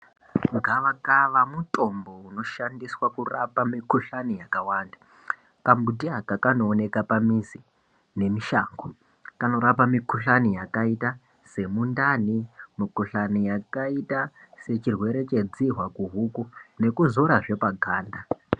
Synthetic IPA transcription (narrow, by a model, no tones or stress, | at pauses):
ŋɡaʋakaʋamutʼo̞mbo̞uno̞ʃandiswakurapamikuɬanijakawaːnda | kambutiakakanoːne̞kapamisi | ne̞miʃaːŋɡo | kano̞ɾapamikuɬanijakaita | se̞mundanimikuɬanijakaita | se̞t͡ʃirwe̞ɾe̞t͡ʃe̞d͡ziɦwakuɦukune̞kuzoɾaʐe̞paɡʱaːnda